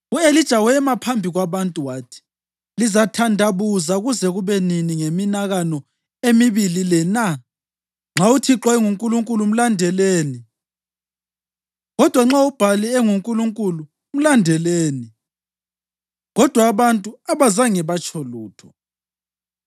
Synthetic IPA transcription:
uelid̥ʒ̥ʱawɛmapʰambʱiɣwaβantʼuwaːtʰi̥ | lizatʰandʱaβuzaɣuzɛɣuβɛniniŋeminaɣanɔ | emiβililɛna | ŋ͡ǁʱautʰiǁɔɛŋuŋkʼuluŋkʼulum̩landʱɛleːni | ɣɔd̥ʱwaŋ͡ǁaub̥ʱaliɛŋuŋkʼuluŋkʼulu | um̩landʱɛleːni | ɣɔd̥ʱwaːβantʼuaβazaŋɛβat͡ʃʼʰɔluːtʰɔ

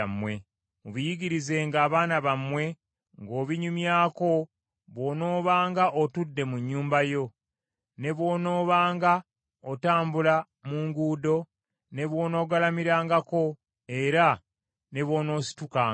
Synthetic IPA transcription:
mwe | uβujiɡiɾize̞ːŋɡaːβaːnaβamwe̞ | ŋɡo̞ːβiɲumjaːko̞ | βwo̞ːno̞ːβaːŋɡaʔotudːe̞muɲːuːmbajo̞ | ne̞βwo̞ːno̞ːβaːŋɡa | otaːmbula | muːŋɡuːdo̞ | ne̞βwo̞ːno̞ːɡalamiɾaːŋɡako̞ | e̞ɾa | ne̞βo̞ːno̞ːsi̥tukaː

